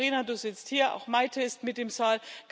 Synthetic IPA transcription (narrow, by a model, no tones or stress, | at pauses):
iːnaduːz̥ɪt͡sthiːɐa̰ʊxmaɪtʰəɪstmɪt̚d̥eːmzaːlɡ̥